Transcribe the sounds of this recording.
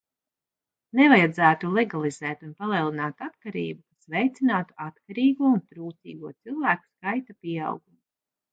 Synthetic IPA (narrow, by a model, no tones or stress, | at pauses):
nɛvajad̪zæːt̪ulˠɛɡalˠizɛːt̪unpalˠiɛlˠinaːt̪at̪kaɾḭːbukasvɛjt̪sinaːt̪u̥at̪kaɾiːɡuɔunt̪ɾuːt̪sḭːɡuɔt̪silˠvæːku̥skajt̪apiɛa̰wɡumu